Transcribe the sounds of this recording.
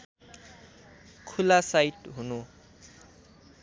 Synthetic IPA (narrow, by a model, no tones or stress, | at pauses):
kʰulasajʈɦunu